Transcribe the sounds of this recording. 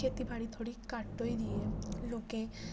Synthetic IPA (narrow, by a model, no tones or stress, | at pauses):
et̪ibʱaɽid̪ʰʱoɽikaʈːojd̪ieloke